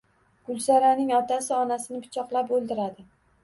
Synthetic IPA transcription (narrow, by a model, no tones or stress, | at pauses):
ɡ̥ʊlˠsaɾanɪŋɒt̪asɪɒnasɪnɪpʰɪ̥t͡ʃʰɒqlˠapolˠd̪ɪɾad̪ɪ